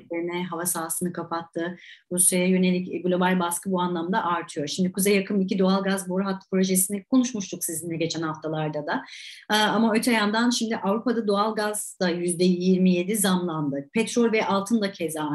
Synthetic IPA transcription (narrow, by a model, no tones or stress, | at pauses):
eɾinɛɦavasaːsɯnɯkʰapʰat̪ʰːɯɾusjajajø̞ne̞lʲicɡlʲˠobalʲbaskɯbuanlˠamd̪aʔaɾt̪ʰɯjo̞ɾʃimd̪ikuzɛjakʰɯmicid̪o̞alˠɡazboɾɦat̪ːpɾo̞ʒesinikʰo̞nuʃmuʃt̪uksizind̪ɛɟe̞t͡ʃʰɛnhaft̪ʰalˠaɾd̪ad̪a | amaø̞t̪ʰɛjand̪anʃimd̪ɪʔavɾupad̪ad̪o̞alˠɡaz̥d̪̥ajyzd̪ɛjiɾmije̞d̪izamlˠand̪ɯpʰɛt̪ɾolʲvɛʔalˠt̪ʰɯnd̪acʰɛza